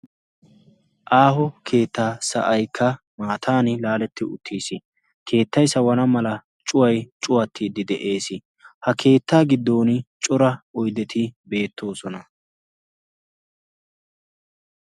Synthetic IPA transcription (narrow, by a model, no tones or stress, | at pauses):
ʔaːhɔkʰe̞ːt̪ːaːsɐ̰ʔɐjkʰːɐ | maːt̪ʰaːnɪlaːlɛt̪ːɪʊt̪ʰːiːsɪ | kʰe̞ːt̪ːɐjsɐwɐnɐmɐlɐ | t͡ʃʼʊwɐjt͡ʃʼʊwɐt̪ʰːiːd̪ɪd̪ɛʔe̞ːsɪ | hɐkʰe̞ːt̪ːaːɡɪd̪ːo̞ːnɪt͡ʃʼɔɾɐɔjd̪ɛt̪ʰɪbe̞ːt̪ʰːo̞ːsɔnɐ